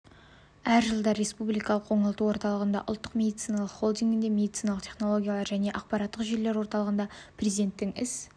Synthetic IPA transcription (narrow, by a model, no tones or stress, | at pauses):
æɾʒəlˠd̪ɑɾe̞spublijkɑlˠəqwo̞ɴəlˠət̪uwo̞ɾt̪ɑlˠəʁənd̪ɑ̰ʔʊ̰lˠt̪ːə̥qmʲe̞d̪it̪sɨjnɑlˠəqχo̞lˠd̪iŋɡʲɪnd̪e̞mʲe̞d̪it̪sɨjnɑlˠəqt̪ʲʰe̞χno̞lˠo̞ɡʲijɑlˠɑɾʒæne̞ʔɑq̚pɑɾɑt̪ːəqʒele̞ɾwo̞ɾt̪ɑlˠəʁənd̪ɑprʲezʲid̪e̞nt̪ːɪŋɪs